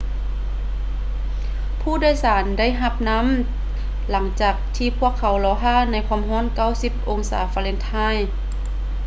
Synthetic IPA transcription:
pʰuː˧˥˨daː˧˥˨jsaː˩˦nda˥˨jɦa˧p̚na˧˥˨m | la˩˦ŋt͡ɕaː˨˩k̚t̪ʰiː˧pʰu˧˥˩əkʰːa˨˦wlɔː˨˧˦ɦaː˧˥˨na˧˥jkʰɔː˧˥˨mɦɔː˧˥˨nka˥˩wsi˧˥p̚ʔo˧ŋsa̰ː˨˦faː˧le˧˥˦nt̪ʰaː˥˨j

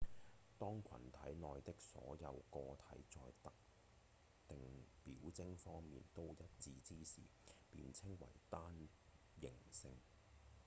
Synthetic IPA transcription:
t̪ɔː˥ŋkʰɐ̰˨˩nt̪ʰɐ̰˨˥jnɔː˨jt̪ɪ˥k̚sɔ̰ː˨˥jɐ˨˧wkɔː˧t̪ʰɐ˨˥jt͡sɔː˧jt̪ɐ˨k̚ | t̪ɪ˨ŋpiː˨˥wt͡sɪ˥ŋfɔː˥ŋmḭː˨nt̪o˥wjɐ˥t̚t͡siː˧t͡siː˥sḭː˨˩piː˨nt͡sʰɪ˥ŋwɐ̰˨˩jt̪aː˥n | jɪ˨˩ŋsɪ˧ŋ

